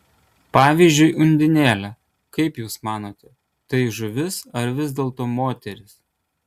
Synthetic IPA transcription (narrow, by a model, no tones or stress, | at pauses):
pɑːʋʲiːzʲd͡ʒʲʊɪʔʊnʲd̪ʲɪnʲeːlʲɛ | kɐɪpjuːsmɑːnoːt̪ʲɛ | t̪ɐɪʒʊʋʲɪsɐɾʋʲɪzʲd̪ʲeːlˠt̪oːmoːt̪ʲɛɾʲɪs